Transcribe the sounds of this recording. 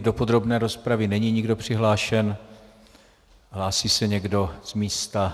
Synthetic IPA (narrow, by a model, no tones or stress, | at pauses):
do̞po̞d̪ɾo̞bnɛːɾo̞spɾavɪnɛɲiɲɪɡdo̞pr̝̥ɪɦlaːʃɛn | ɦlaːsiːsɛɲɛɡdo̞z̥miːst̪a